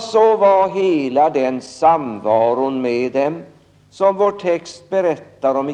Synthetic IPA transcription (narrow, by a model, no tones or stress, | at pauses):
sɔvaɾɦeːlad̪ɛnsamvɑːɾʊnmeːd̪ɛm | sɔmvoːʈʰːɛkst̪̚bɛɾɛt̪ːaɾɔm